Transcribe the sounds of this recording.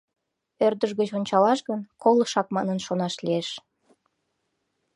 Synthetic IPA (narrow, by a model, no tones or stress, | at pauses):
ørd̪əʒɣət͡ɕonʲt͡ɕɑlɑʃɣənkoləʃɑk̚mɑnənʃonɑʃlieʃ